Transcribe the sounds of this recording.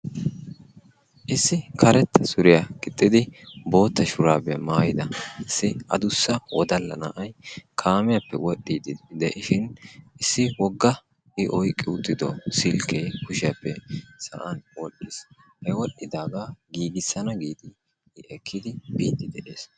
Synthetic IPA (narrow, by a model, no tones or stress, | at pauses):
ʔɪsːɪkʰɐɾɛt̪ːɐsʊɾɪjakʼɪt̪ʼːɪd̪ɪbo̞ːt̪ːɐʃʊɾaːbɛɐmaːjɪd̪ɐɪsːɪɐ̰d̪ʊsːɐwɔd̪ɐlːɐ̰na̰ːʔɐjkʰaːmɪjɐpːɛwɔɗːiːd̪ɪd̪ɛʔɪʃɪnɪsːɪwɔɡːɐ | ʔɪʔɔjkʼːɪʊt̪ʼːɪd̪ɔsɪlkʰejkʊʃɪjɐpːɛsɐ̰ʔɐ̰nwɔɗːɪs | hɐwɔɗɪd̪aːɡaɡiːɡɪsːɐnɐɡiːd̪ɪ | ɪʔɛkʰːɪd̪ɪbiːt̪ːɪd̪ɛʔeːs